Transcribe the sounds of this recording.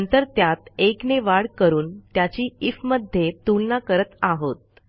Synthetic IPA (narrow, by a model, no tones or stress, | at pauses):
nt̪əɾt̪jat̪ekneʋaɽkəɾuːnt̪jat͡ɕiːifməd̪ʱjet̪ulnakəɾət̪aɦot̪̚